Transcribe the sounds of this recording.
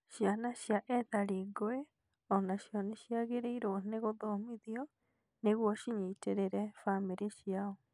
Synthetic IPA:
ʃianaɕjaʔɛðaɾiɡoe | ɔnaɕjɔneʃiaɣeɾeiɾoɔneɣoðomiðiɔ | neɣwɔʃiɲiteɾeɾɛfameɾeʃiaɔ

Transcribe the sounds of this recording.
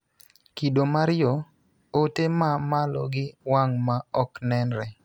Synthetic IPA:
kidomaɾɪjɔ | otemamalɔ̰ɡɪwaŋmaɔknɛnɾɛ

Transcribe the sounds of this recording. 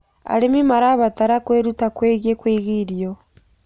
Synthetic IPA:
a̰ɾemimaɾaβataɾakweɾutakweːɣiekweːɣiɾiɔ

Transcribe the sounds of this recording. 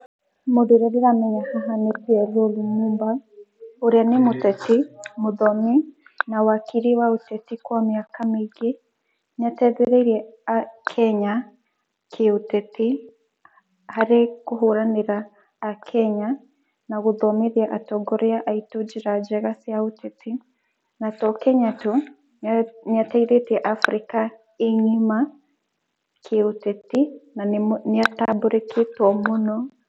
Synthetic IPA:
moðiɾɛɾiɾamɛɲahaɦanepjɛðolumuːmba | oɾeanemotɛtimoðɔmi | nawakiɾiwaotɛtikwamiakamiɡe | ɲatɛðeɾɛiɾiɛakʰɛɲa | kʰeotɛti | haɾekoɦoɾaneɾaː | kʰɛɲa | naɣoðɔmeɾiaʔatɔɡɔɾeaʔaitod͡ʒiɾad͡ʒɛɣasjaotɛti | natɔkɛɲato | ɲataiɾetiɛʔafɾika | eɲima | kʰeotɛtinaneataboɾeketwɔmonɔ

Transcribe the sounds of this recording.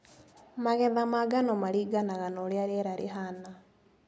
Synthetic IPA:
maɣɛðamaɡanɔmaɾiːɡanaɣanoɾjaɾɛɾaɾeɦana

